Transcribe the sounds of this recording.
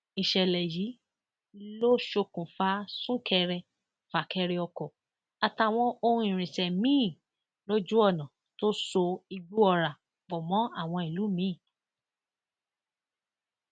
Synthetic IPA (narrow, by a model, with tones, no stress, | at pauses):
i˨ʃɛ˨lɛ˨ji˨˦ | lo˦ʃo˧kũ˨fa˦sũ˦kʰɛ˧ɾɛ˧ | fa˨kʰɛ˧ɾɛ˧ɔ˧kɔ˨ | a˧ta˧˨w̃ɔ̃˧o˦˧hũ˧ĩ˨ɾ̃ĩ˨sɛ˨mĩː˦˨ | lo˦d͡ʒu˦ɔ˦˨nã˨ | to˦so˧i˧ɡ͡bu˦ɔ˧ɾa˨ | bɔ˨mɔ̃˨˦a˦˨w̃ɔ̃˧i˨lu˨˦mĩ˨˦˨